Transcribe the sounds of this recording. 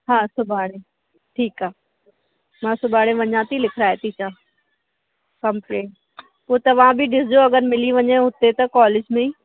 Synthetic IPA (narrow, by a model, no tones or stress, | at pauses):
ɦãːsʊbʱaːɽ̃ẽ | ʈʰiːkaː | mãːsʊbaːɽ̃ẽʋɐɲãːt̪ʰilɪkʰɪɾaːet̪ʰit͡ɕʰaː | kɐmpɾeːʈ | poːt̪ɐʋ̤ãbʱiɖɪsd͡ʑoɐɡəɾmɪliʋɐɲẽɦʊt̪et̪ɐkɔːlɪd͡ʑmẽ